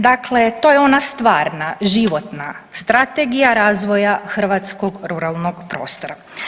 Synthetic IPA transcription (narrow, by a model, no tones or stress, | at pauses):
d̪akle̞t̪o̞jeo̞nast̪ʋaːɾnaʒiʋo̞t̪nast̪ɾat̪e̞ɡijaɾaːzʋo̞jaxrʋat̪sko̞ɡɾuɾalˠno̞ɡpɾo̞̰ːst̪oɾa